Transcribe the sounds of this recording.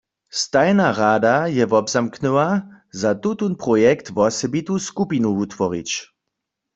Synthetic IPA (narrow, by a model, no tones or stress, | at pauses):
st̪ajnaʁaːd̪ajɛvɔbzamknɨwa | zat̪ut̪unpʁɔjɛkt̪vɔsɛbit̪uskupinuut̪ʋɔʁḭt͡ɕ